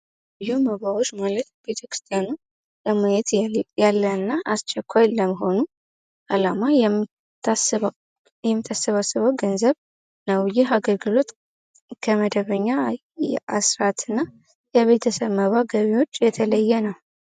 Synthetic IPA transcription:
juməβawot͡ʃːmalət̪b̥e̞t̪ʰəkɾɨ̥st̪ʰijanu | ləmajɛt̪jalːəɨnːaʔast͡ʃɛkʰʷːajləməɦo̞nu | ʔalama | jɛmːit̪ʰasːəβasːɨβəwɡənzəβ | nəwjɪɦaɡəlɡɨlo̞t̪ | kʰəməd̪əβəɲːa | ʔasɾat̪ɨnːa | jɛβe̞t̪ʰəsəβməβaɡəβewot͡ʃːjɛt̪ʰələjːɛnəw

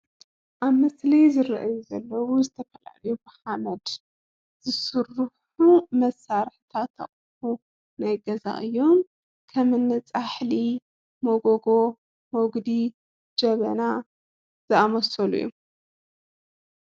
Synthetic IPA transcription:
ʔaβmɐslɐjzɨɾɐʔajuzɐlːɐwuzɨt̪ʰɐfɐla̰lɐjubɨħamɐd̪ | z̥ɨsɨrːħ | umɐsːaɾħt̪ʰat̪ʰːɐ̰χʼ | ħu | najɡɐza̰ʔɨjːo̞m | kʰɐmɨnːɨt͡sʼaħli | moɡoɡo̞ | moɡd̪i | d͡ʒɐβɐ̰na | z̥ɨamɐsɐlṵjːu

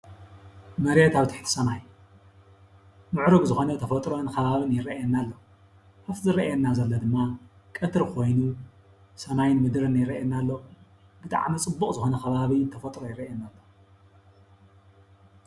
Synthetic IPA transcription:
mɐɾet̪aβt̪ʰɨ̥ħt̪ʰi̥sɐmaj | mɨʕɾɨɡzɨxo̞nɐt̪ʰɐfɐt̪ʼɾonkʰɐβaβɨnjɪɾɐjɛnːalːo̞ | kafzɨɾɐʔjɛnːazɐlːɐd̪ɨmːa | kʼɐt̪ʰɨɾkʰo̞jnu | sɐmajnmɨd̪ɾɨnjɪɾɐʔɛnːalːo̞ | b̥ɨt̪ʼa̰ʕmɐt͡sʼɨbːukʼzɨxo̞nɐxkʰɐβaβint̪ʰɐfɐt̪ʼɾojɪɾɐʔɛnːalːo

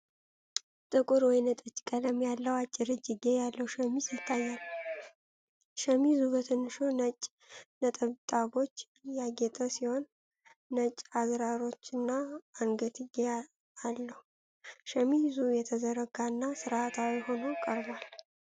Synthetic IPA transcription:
t̪ʼɨkʼʊɾwɔjnət̪ʼət͡ʃːʼkʼələmjalːəwat͡ʃʼːɪɾɨd͡ʒɪɡejalːəwʃəmizjɪt̪ʰːajːal | ʃəmizubət̪ʰənːɨʃonət͡ʃʼ | nət̪ʼəβt̪ʼaβo̞t͡ʃː | jaɡet̪ʼəsiho̞nː | ət͡ʃʼːazɾaɾo̞t͡ʃːɨnːaːŋɡət̪ʰɨɡe | alːəhu | ʃəmizujɛt̪ʰəzəɾəɡaɨnːasɨɾat̪ʰawiho̞nokʼəɾbal

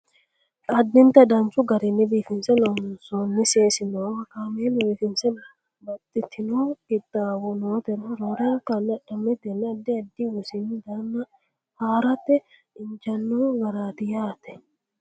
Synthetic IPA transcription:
ɐd̪ːɪnt̪ɐd̪ɐnt͡ʃʊɡɐɾɪnːɪbiːfɪnsɛnɐmʊnsoːnːɪseːsɪnoːɐkaːmenbiːfɪnsɛnɐ | bɐt̪ʼːɪt̪ʰːɪnoːɡɪt̪ʼːaːwɔnot̪ɛnɐɾoɾɐkɐnːɐᶑɐmɛt̪ːɛnːɛɐd̪ːɪɐd̪ːɪwʊsɪnːd̪aːnːɐ | haːɾɐt̪ːɛ | ɪnt͡ʃɐnːoːɡɐɾaːt̪ɪjaːt̪ːɛ

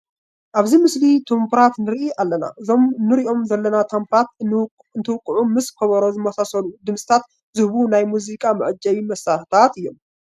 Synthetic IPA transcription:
ʔaβzimɨslit̪ʰumpɾat̪nɨɾʔiʔalːɐna̰ɨzomnɨɾiʔo̞mzɐlːɐnat̪ʰɐmpʰat̪̚ | ɨnt̪ʰɨwɨkʼːɨʕumɨskʰɐβɐɾo̞zɨmɐsasɐlud̪ɨmsʼɨ̥t̪ʰat̪ | zɨhβunajmuzikʼamɨʕɨd͡ʒːɐjmɐsatt̪ʰat̪ɨjːom

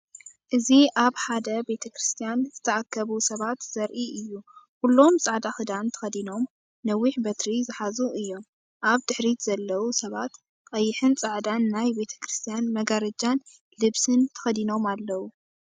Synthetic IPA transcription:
ʔɨziʔaβħad̪ɐbe̞t̪ʰɐkɾɨst̪ʰijanzɨt̪ʰɐʔakʰːɐβusɐβat̪z̥ɐɾʔiʔɨjːu | hulːo̞msʼaʕd̪axɨd̪ant̪ʰɐ̥xɐd̪ino̞m | nɐwːiħbɐt̪ɾizɨħazuʔɨjːo̞m | ʔaβd̪ɨħɾiz̥ɐlːɐwusɐβat̪ | qʼɐjːɪħɨnt͡sʼaʕd̪anːajbe̞t̪ʰɐ̥kɾɨst̪ʰijanmɐɡaɾɐd͡ʒan | lɨβsɨnt̪ʰɐ̥xɐd̪ino̞malːɐwu

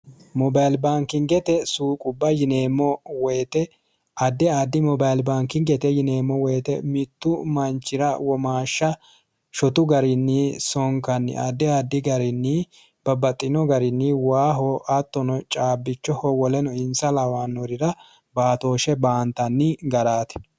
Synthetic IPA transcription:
mɔbajlbaːŋkːɪŋɡɛt̪ɛsuːkʼʊbːɐjɪneːmːɔwɛjt̪ɛ | ʔɐd̪ːɛad̪ːɪmɔbajlbaːŋkːɪŋɡɛt̪ɛjɪneːmːɔwɛːt̪ɛmɪt̪ːʊmɐnt͡ʃːɪɾɐwɔmaːʃːɐ | ʃɔt̪ʊɡɐɾɪnːɪsɔŋkɐnːɪ̰ɐ̰d̪ːɛad̪ːɪɡɐɾɪnːɪ | b̥ɐbɐt̪ʼːɪnɔɡɐɾɪnːɪwaːɦɔʔɐt̪ːɔnɔt͡ʃʼaːbːɪt͡ʃːɔhɔwɔlɛnɔɪnsɐlɐwaːnːɔɾɪɾɐ | baːt̪oːʃɛbaːnt̪ɐnːɪɡɐɾaːt̪ɛ̥

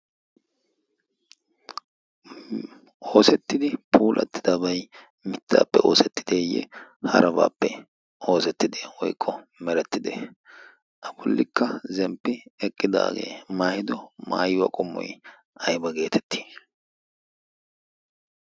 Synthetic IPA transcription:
ʔo̞ːsɛt̪ːɪd̪ɪpʰuːlʔɐ̰t̪ːɪ̥d̪abɐj | mɪt̪ːa̰ːpːɛʔo̞ːsɛt̪ːɪ̥d̪eːjːɛ̰hɐ̰ɾɐba̰ːpːɛ | o̞ːsɛt̪ːɪd̪eːwɔ̰jkʼːɔmɛɾɛt̪ːɪd̪ḛ | ʔɐbʊlːɪkːɐzɛmpːɪɛkʼːɪd̪a̰ːɡe̞̰ːmaːhɪd̪ɔma̰ːjʊwɐ̰kʼʊmːɔ̰j | ɐjbɐɡe̞ːt̪ʰɛ̥t̪ːi̥ː

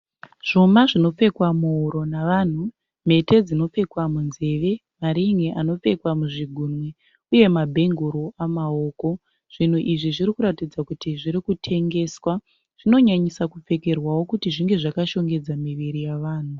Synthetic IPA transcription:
ʐ̥o̞maʐino̞fe̞kwamuuɾo̞naʋan̤u | m̤e̞te̞d͡zino̞fe̞kwamunze̞ʋe̞ | maɾiŋeʔano̞p͡fe̞kwamuʐiɡʱunwe | uje̞mabʱe̞ŋɡuɾoamao̞ːko̞ | ʐ̥in̤uʔiʐiʐiɾikuɾatid͡zakutiʐiɾikutʰe̞ŋɡe̞ːswa | ʐ̥ino̞ɲaɲisakufe̞ke̞rwawo̞kutiʐiŋɡe̞ʐakaʃo̞ŋɡe̞d͡zamiʋiɾijaʋaːn̤u

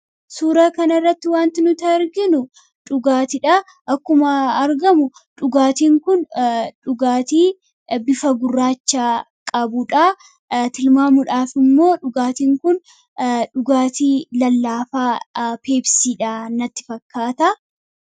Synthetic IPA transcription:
suːɾɐkɐnɐrːɐt̪ːɪwaːnt̪ɪnʊt̪ɐɪɾɡɪnʊ | ᶑʊɡaːt̪ɪᶑɐ | ʔɐkːʊmɐːɾɡɐmʊᶑʊɡaːt̪iːŋkʊnᶑʊɡaːt̪iː | bɪfɐɡʊrːaːt͡ʃːaːkʼɐbʊᶑɐ | t̪ɪlmaːmʊᶑaːfɪmːo̞ːᶑʊɡaːt̪iːŋkʊn | ᶑʊɡaːt̪iːlɐlːaːfaːpe̞ːbsiːᶑaːnɐt̪ːɪ̥fɐkːaːt̪ɐ

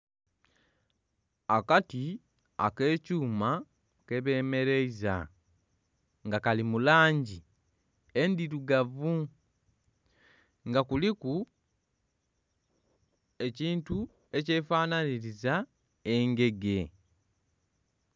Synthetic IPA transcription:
akati | a̰ke̞ːcuːma | ke̞βe̞ːme̞ɾe̞iza̰ | ŋɡakalimulaːɲɟi | endiɾuɡavu | ŋɡakuliku | e̞ciːntu | e̞ce̞ːfaːnaniɾiza | e̞ŋɡe̞ɡe̞

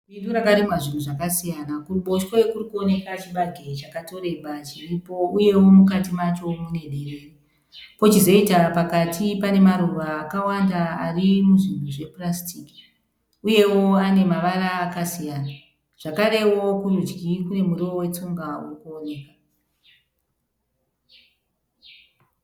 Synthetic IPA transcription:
ɓinduɾakaɾimwaʐin̤uʐakasijanakuɓo̞ʃwoekurikuo̞ne̞kat͡ʃiɓaɡʱe̞t͡ʃakato̞ɾe̞ɓat͡ʃiripo̞uje̞wo̞mukatimat͡ʃo̞mune̞ɗe̞reːre | po̞t͡ʃizo̞itapakatʰipane̞maɾuʋaːkawandaarimuʐinbuʐe̞prastiki̥ | uje̞wo̞ane̞maʋaɾaːkasijaːna | ʐ̥akaɾe̞wo̞kurud͡ʒɡikune̞muriowe̞t͡suŋɡawurukuone̞ːka

